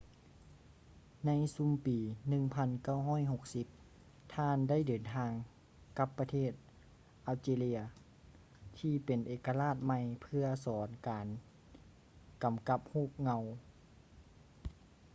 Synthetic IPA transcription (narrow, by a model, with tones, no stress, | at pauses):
na˧˥jsu˧˥mpiː˨nɯ˧ŋpʰa˧˥˨nka˥˩wɦɔː˥˨jɦo˧k̚si˧˦p̚ | t̪ʰaː˧˥˨nda˥˩˨jdɤː˨˩nt̪ʰaː˧ŋ | ka˧˥pːa˧t̪ʰeː˥˩t̪̚ | ʔaː˧˩wseː˧li˧ɐ | t̪ʰiː˧pe˨˩nʔeː˨˩ka˧laː˥˩t̪̚ma˧˩jpʰɯ˧ɐsɔː˩˦nkaː˨˩n | ka˨˩mka˧˥p̚huː˥˩p̚ŋa˧w